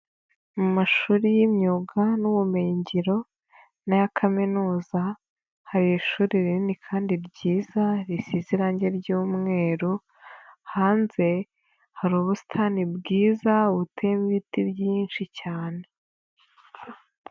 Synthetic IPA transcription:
mumaʃuːɾijimɲuɡanuβumejiɲɟiɾo̞ | najakʰaminuːza | haɾijiʃuːɾiɾininikʰaːndiɾɟiːzaɾisiziɾaɲɟe̞ɾɟuːmŋe̞ːɾu | haːnze̞ | haɾuːβusi̥tʰaːnibɡiːzauβutʰemiβitibjiːnʃicaːne̞

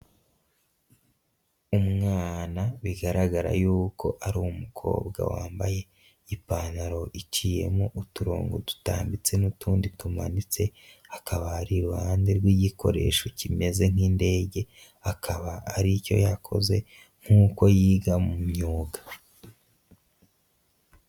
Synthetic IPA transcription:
umŋaːnaβiɡaɾaɡaɾa̰juːkʰo̞ʔaɾuumukʰo̞̰ːbɡa̰wa̰ːmbaje̞ | ipanaɾo̞ʔit͡ʃije̞moʔutuɾo̰ːŋɡotu̥ta̰ːmbit͡se̞nutʰuːnditumanit͡se̞akʰaβaːɾiɾuhaːndiɾɡwiɟikʰo̞̰ɾe̞̰ʃo̞cime̞ze̞ŋ̥iːnde̞ːɟe̞ | akʰaβaːɾico̞̰jakʰo̞̰ze̞ | ŋ̥huːko̞jiːɡamumɲuːɡa

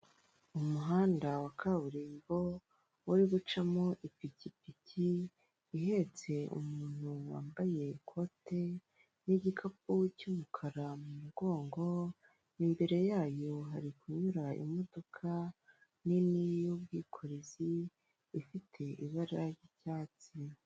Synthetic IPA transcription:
umuɦaːndawakʰaβuɾeβo̞ | wuɾiɡut͡ʃamo̞ʔipicipiciː | ɦe̞t͡se̞ṵmuːn̥huwa̰ːmbaje̞kʰo̞te̞ | niɟikʰap̚uwcumukʰaɾamumuɡo̞ːŋɡo̞ | imbe̞ɾe̞jaːjo̞ɦaɾikuɲuɾaḭmo̞do̞kʰa | ninijob̚ɡiːkʰo̞ɾeziː | fitʰe̞ʔiβaɾiɾaɾjicaːt͡si

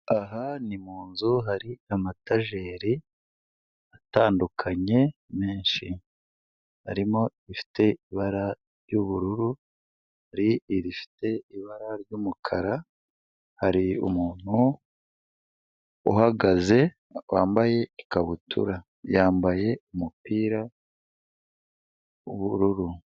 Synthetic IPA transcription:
aɦanimuːnzuɦaɾiamataʒe̞ːɾi | ataːndukʰaɲe̞me̞ːɲʃi | ha̰ɾimo̞ifi̥te̞iβaɾa | ɾjuβuɾuɾu | haɾiiɾifi̥te̞iβaɾaɾɟumukʰaɾa | haɾiṵmuːn̥hu | ṵɦaɡaze̞ | waːmbaje̞ikaβutʰṵɾa | jaːmbaje̞umupiːɾa | uβuɾuɾu

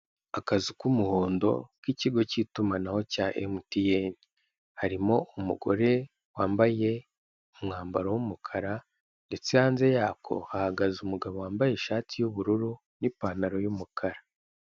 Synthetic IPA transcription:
akazikumuho̞ːndo̞̰kiciɡo̞citumanaho̞caːʔḛmutijeni | haɾimo̞ʔumuɡo̞̰ɾe̞ | waːmbaje̞ | umŋaːmba̰ɾowumukʰaɾa | nde̞t͡seaːnze̞jaːkʰo̞̰hahaɡazumuɡaβo̞waːmbajeʃaːtʰijuβuɾuɾu | nipaːnaɾo̞jumukʰaɾa

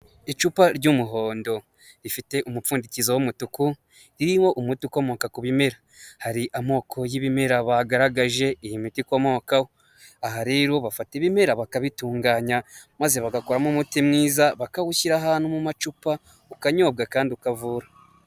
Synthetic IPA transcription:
it͡ʃupaɾɟumuɦo̞ːndo̞ | ɾifite̞ʔumufuːndicizowomutuku | ɾiɾiwo̞ʔumutiko̞mo̞ːkakuβime̞ɾa | haɾiʔamo̞ːkʰo̞jiβime̞ɾaβaɡaɾaɡaʒe̞ʔijimitikomo̞ːkawo | aɦaɾe̞ːɾo̞βafateβime̞ɾaβakaβituːŋɡaːɲamaze̞βaɡakoɾamumutimŋiːzaβakaɣuçiɾaɦaːnumumat͡ʃupa | ukaɲo̞ːb̚ɡakaːndiukavuːɾa

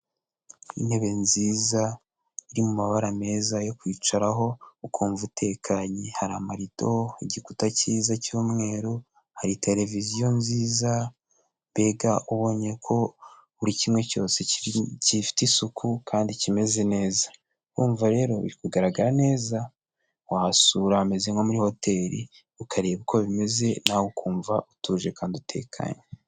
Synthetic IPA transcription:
ḭnhe̞βe̞nziːza | iɾimumaβaɾame̞ːzajo̞kwiːt͡ʃaɾaɦo̞ukʰuːɱvutʰe̞ːkʰaɲehaɾamaɾito̞iɟikutaciːzacuːmŋe̞ːɾu | haɾitʰe̞le̞vizijo̞nziːza | βe̞ɡaʔuβo̞ːɲekʰo̞ | uɾicimŋe̞co̞̰ːse̞cifi̥tisukʰukʰaːndicime̞ze̞ne̞ːzḁ | uːɱvaɾe̞ːɾo̞βḭɾikuɡaɾaɡaɾane̞ːza | wahasuːɾahame̞zeŋɡo̞muɾiho̞te̞ːɾḭ | ukʰaɾeːβukʰo̞βime̞ze̞nawukuːɱvaʔutuːʒe̞kaːndutʰe̞̰ːkʰa̰ɲe

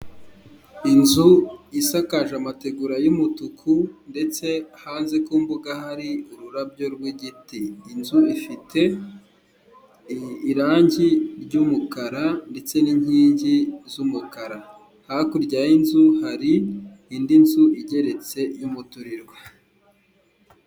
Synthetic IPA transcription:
inzuisakaʒamate̞ɡuɾajumutukʰunde̞t͡se̞ahaːnze̞kuːmbuɡaɦaɾiuɾuɾabjo̞ɾɡwiɟitiːnzuifitʰe̞ | ɾaːɲɟiɾɟumukaɾande̞t͡se̞niɲ̥hiːɲɟizumukaɾa | hakuɾɟajinzuhaɾihiːndinzuiɟe̞ɾe̞t͡se̞jumutuɾiɾwa

